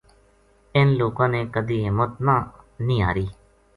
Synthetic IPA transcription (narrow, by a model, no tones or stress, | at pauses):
ɪnloːkãːneːkəd̪iːɪmət̪naːnĩːaːɾiː